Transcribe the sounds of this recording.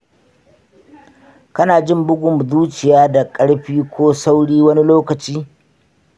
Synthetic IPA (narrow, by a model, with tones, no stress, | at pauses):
kɐ˦naː˨d͡ʒɪ˦˨mbʊ˦ɡʷʊ˨mzuː˦t͡ʃɪ˨jaː˦da˨kʼɐ˦ɽɸiː˦kʷoː˦sa˦wɽiː˦wɐ˦ni˦loː˦kɐ˨t͡ʃiː˦